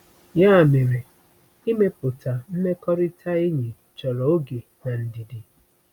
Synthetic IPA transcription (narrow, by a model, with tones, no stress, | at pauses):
ja˦˨me˨ɾe˨ | i˦me˦pʊ˨tʰa˨m̩˦me˦kɔ˦ɾi˦tʰa˦e˦ɲi˨ | t͡ʃɔ˨ɾɔ˨o˦ɡe˨ | na˨n̩˨di˨di˨